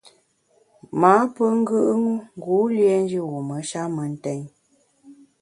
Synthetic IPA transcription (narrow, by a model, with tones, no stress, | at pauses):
maː˨˦pə˦ŋ̩˦ɡɨ˦ʔŋu˦ŋ˦ɡu˨˦lje˦n̩˦d͡ʒi˦ɣu˨mə˨˦ʃa˦mə˨n̩˦tɛ˦ɲ